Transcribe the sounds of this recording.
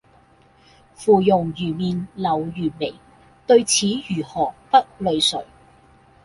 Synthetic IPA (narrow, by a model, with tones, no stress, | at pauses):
fuː˨˩jʊ˨˩ŋjyː˨˩miː˨nlɐ˨˩wjyː˨˩nme˨˩j | t̪ɵ˧ɥt͡sʰiː˨˥jyː˨˩hɔː˨˩pɐ˥t̚lɵ˨˧ɥsɵ̰˨˩ɥ